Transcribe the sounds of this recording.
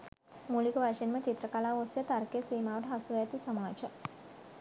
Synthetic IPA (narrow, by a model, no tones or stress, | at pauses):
mulikʋaʃinmət͡ʃit̪ɾəkalaʋot͡ʃet̪aɾkesimawʈɦasuat̪isəmaːd͡ʑə